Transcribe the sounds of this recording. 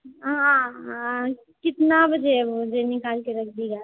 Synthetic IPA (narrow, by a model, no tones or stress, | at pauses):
ɦã | kɪt̪nabʱd͡ʒed͡ʒenɪkaːlkeɾəkʰd̪iɡa